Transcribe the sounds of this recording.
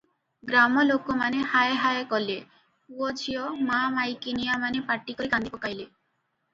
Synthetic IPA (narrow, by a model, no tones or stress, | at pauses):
ɡɾamɔlokɔmanehaeɦaekɔle | uɔd͡ʒʰijɔmamajkinijamanepaʈːikɔɾikand̪ipɔkajle